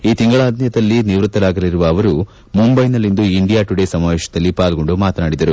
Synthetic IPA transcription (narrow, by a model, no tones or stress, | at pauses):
iːt̪iŋɡɐɭaːd̪ʱnjɐd̪ɐlːiniʋɾut̪ːɐlaːɡɐliɾuʋɐːʋɐɾu | mumbɐjnɐlːind̪uiɳɖijaːʈuɽesɐmaːʋeːʃɐ̥d̪ɐlːipaːlɐɡo̞ɳɖumaːt̪ɐnaːɽid̪ɐɾu